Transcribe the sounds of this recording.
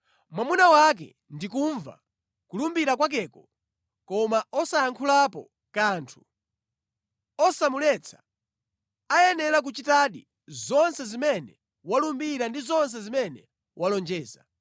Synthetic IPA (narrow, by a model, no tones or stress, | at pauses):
mwamunawak̬ɛ̰ | ndik̬uɱva̰ | kulumbiɾakwak̬ɛːkɔ | kɔmaɔsaaŋkʰulapɔ̰ | kaːntʰu̥ | ɔsamulɛt͡sʰḁ | ajɛnɛɾak̬ut͡ʃitaɗi | zɔnsɛzimɛnɛ | walumbiɾandizɔns̬ɛzimɛnɛ | wʔalɔnd͡ʒɛːza̰